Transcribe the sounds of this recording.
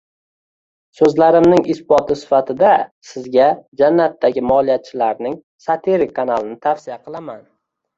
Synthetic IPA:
sɵzlaɾɪmnɪŋɪsbɒt̪ʰɪsɪ̥fat̪ʰɪd̪asɪzɡʲad͡ʒanːat̪ːaɡʲɪmɒlˠijat̪̚t͡ʃʰɪlaɾnɪŋ | sat̪ʰeɾɪkʰːanalˠɪnɪt̪ʰafsɪjaqɨlˠaman

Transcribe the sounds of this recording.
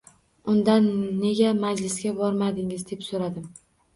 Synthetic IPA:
ʊnd̪anːe̞ɡʲamad͡ʒlɪsɡʲabɒɾmad̪ɪŋɪzd̪e̞psoɾad̪ɪm

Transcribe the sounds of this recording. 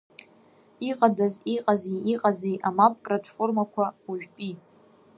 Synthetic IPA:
iqʼadaziqʼazejiqʼazejʔamap̚ʼkʼratʰformakʷʰauʒᶣpʼi

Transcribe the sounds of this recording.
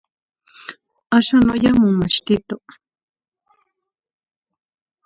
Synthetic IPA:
aʃanojamʊŋmaʃt̪ɪt̪o

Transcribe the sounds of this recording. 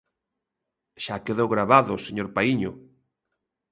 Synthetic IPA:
ʃakeðowɣɾaβaðʊseɲoɾpaiɲʊ̰

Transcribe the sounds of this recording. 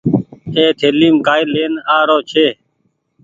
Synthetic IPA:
eːt̪ʰeːliːmkaːileːnaːɾoːt͡ʃʰeː

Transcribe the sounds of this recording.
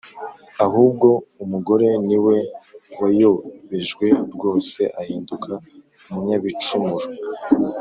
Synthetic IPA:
aɦuːb̚ɡo̞umuɡo̞ɾe̞niwe̞wajoβe̞ʒɡwe̞ɾɡo̞ːse̞ʔahiːndukʰa | umuɲaβit͡ʃumuɾo

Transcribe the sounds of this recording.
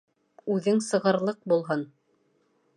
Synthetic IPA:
ʉðɘŋsɤ̆ʁɤ̆ɾlˠɤq̚bulˠɦɤn

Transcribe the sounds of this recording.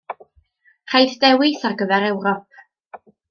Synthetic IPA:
r̥ajðdɛwɪθarɡəvɛɾɛwɾɔp̚

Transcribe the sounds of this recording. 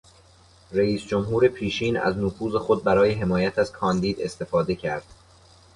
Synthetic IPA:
ræiːsd͡ʒomɦuːɾe̞pʰiːʃiːnæ̰znofuːze̞xo̞d̪̚bæɾɒːje̞ɦe̞mɒːjæt̪ʰæz̥kʰɒːnd̪iːd̪e̞st̪e̞fɒːd̪e̞cʰæɾd̪̥

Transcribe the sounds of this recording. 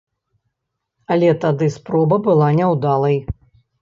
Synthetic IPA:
ɐlʲɛt̪ad̪ɨspɾɔbɐbɨlˠanʲɛwd̪alˠɐj

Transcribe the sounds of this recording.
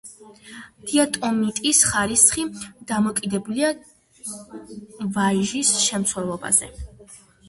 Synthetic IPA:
d̪̥iat̪ʼɔmit̪ʼisχaɾisχid̪̥amɔkʼid̪ɛbulia | vaʒisʃɛmt̪sʰwɛlˠɔba̰z̥ɛ̰

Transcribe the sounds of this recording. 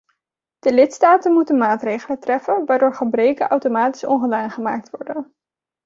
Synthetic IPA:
d̥əlɪtstaːtənmutənmaːtrejχələtrɛfənʋaːɹdʊːɹχəbrejkənʔɑwtomaːti̥sɔ̰ŋχədaːnχəma̰ːk̚tʋɔɹdən

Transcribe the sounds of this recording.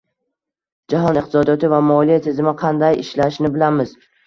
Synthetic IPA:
d͡ʒaɦɒnɪq̚t̪ʰɪsɒd̪ijɒt̪ʰɪvamɒlˠijat̪ʰɪzɪmɪqʰɑnd̪ajɪʃlaʃnɪbɪlamɪz̥

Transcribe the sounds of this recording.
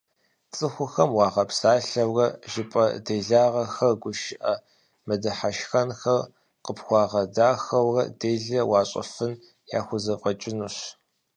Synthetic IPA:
t͡sʼɨxʷʊxɐmwɑːʁɐpsaːɬɐwrɐʒɪpʼɐ̰deːɮaːʁɐxɐrɡʷʊʃɪʔɐ | mɨdɐħaʃxɐnxɐr | qəpxʷɑːʁɐdaːxɐwrɐdeːɮɐwɑːɕʼɐ̰fɨn | ja̰ːxʷʊzɐfʼɐt͡ʃʼɪnuɕ

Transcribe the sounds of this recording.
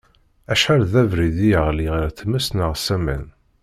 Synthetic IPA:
æʃħæɾðævɾiðijəʁliʁɾθmæsnəʁsæmæ̰n

